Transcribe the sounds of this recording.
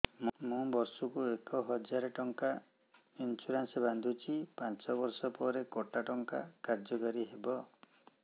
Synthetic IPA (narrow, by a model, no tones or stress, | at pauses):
mmũbɔɾsukuekɔɦɔd͡ʒaɾeʈɔŋka | int͡ʃuɾanseband̪ʱut͡ʃʰipant͡ʃɔbɔɾsɔpɔɾekɔʈaʈɔŋka̰kaɾd͡ʒɔkaɾiɦebɔ